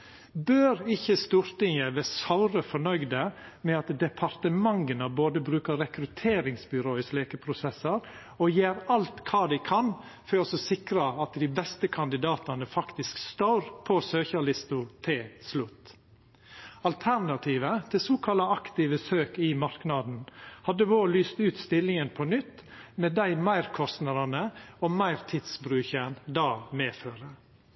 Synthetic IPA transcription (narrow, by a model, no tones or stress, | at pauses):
bøːɾɪçəst̪uːɾt̪ɪŋəʋeːsaʊɾəfɔɳœʏɡd̪əmɛɑt̪d̪ɛpʰɑɾt̪əmɑŋɡənəboːd̪əbɾʉːkəɾɛkɾʉt̪ʰeːɾɪŋsbʏɾoːɪsleːkəpʰɾʊsɛsəɾ | ɔjeːɾɑlt̪kʰɑːd̪æɪkʰɑn | fœɔsɔsɪkɾəɑt̪d̪iːbɛst̪əkʰɑnd̪ɪd̪ɑːt̪ɑnəfɑkt̪ɪskst̪oːɾpʰɔsøːçɑlɪst̪ʊt̪ʰɪslʉt̪ | ɑlt̪ʰæɾnɑt̪ʰiːʋət̪ʰɪlsoːkʰɑlɑɑkt̪ɪʋəsøːkɪmɑɾknɑd̪n̩hɑd̪əʋoːlyːst̪ʉːt̪st̪ɪlːɪŋənpʰɔnʏt̪ːmɛd̪æɪmæɪɾkʰɔst̪nɑd̪ɑnəɔmæɪɾt̪ʰɪd̪sbɾʉːçənd̪ɑːmeːføːɾə